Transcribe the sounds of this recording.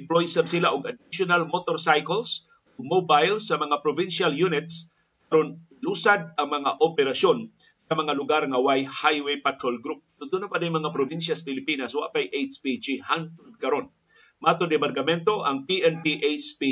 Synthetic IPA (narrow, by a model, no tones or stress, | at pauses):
ɪmplojsabsɪlaʔʊɡɐd̪ɪsjʊnalmot̪oɾsajkols | ʔʊɡ̚mobajlsːɐmɐŋapɾobinʃaljunɪt̪̚s | kɐɾon | lusad̪̚ɐŋmɐŋaʔopɛɾɐsjonsɐmɐŋalʊɡaɾŋɐwajhajwejpat̪ɾolɡɾup̚t̪ʊt̪unapad̪ajmɐŋapɾobinʃjɐsɐ̥pɪlɪpiːnɐswa̰ʔpajʔejt͡ʃpid͡ʒihant̪od̪̚kɐɾo̞n | mat̪ʊd̪ɪbaɾɡɐmɛnt̪o̞ʔɐŋpiʔɛnpiʔet͡ʃpi